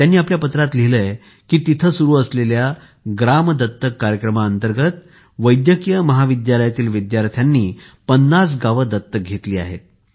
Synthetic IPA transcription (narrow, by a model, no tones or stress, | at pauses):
t̪janːiːapljapət̪ɾat̪liləj | kiːt̪it̪ʰəsuɾuːəslelja | ɡɾamd̪ʱət̪ːəkːaɾjəkɾəmaənt̪əɾɡət̪ | ʋəjd̪jəkjəməɦaʋid̪jaləjat̪iːlʋid̪jaɾt̪ʰjanːiː | pənːas̬ɡaʋəd̪ʱət̪ːək̚ɡʱet̪liːa̰ɦḛt̪̚